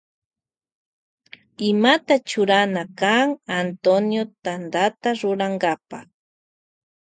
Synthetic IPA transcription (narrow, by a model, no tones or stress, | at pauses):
ɪmat̪at͡ʃʊɾanakaŋant̪onjot̪and̪at̪aɾʊɾaŋɡapa